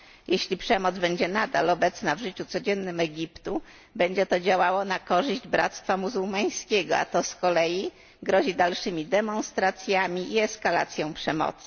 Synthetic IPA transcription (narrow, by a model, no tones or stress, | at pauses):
jeɕlʲipʂɛmɔd̪zbɛɲd͡ʑɛnad̪a̰lɔbɛt̪snavʐɘt͡ɕut̪sɔd͡ʑɛnːɘmɛɡʲipt̪u | bɛɲd͡ʑɛt̪ɔd͡ʑawawɔnakɔʐɘʑd͡ʑbɾa̰t̪st̪famuzuwmaj̃skʲɛɡɔ̰a̰t̪ɔskɔlɛji | ɡɾɔʑid̪alʂɘmʲid̪ɛmɔ̃nst̪ɾat̪sʲjamʲiiɛskala̰t̪sʲjɔ̃w̃pʂɛmɔ̰t̪sɘ̥